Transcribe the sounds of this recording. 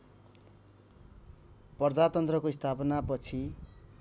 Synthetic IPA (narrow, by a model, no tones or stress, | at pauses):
pʌrd͡zat̪ʌnt̪rʌkoist̪ʰapʌnapʌt͡sʰi